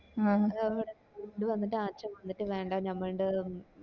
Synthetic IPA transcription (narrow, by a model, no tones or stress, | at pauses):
aːɐʋiɽe | uɳɖɨʋɐnːiʈːɨaːt͡ɕːɐmʋɐnːitːɨʋe̞ːɳɖaɲɐmːɐɭuɳɖɨ